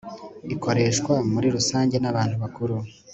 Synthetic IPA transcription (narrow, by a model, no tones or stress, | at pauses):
iko̞ɾe̞ːʃkwamuɾiɾusaːɲɟe̞naβaːnhuβakuɾu